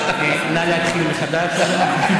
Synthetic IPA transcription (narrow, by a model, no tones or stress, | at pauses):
okejnajat̪χilmeχad̪aʃ